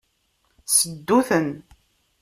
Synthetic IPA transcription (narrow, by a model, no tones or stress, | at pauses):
səd̪ːuθən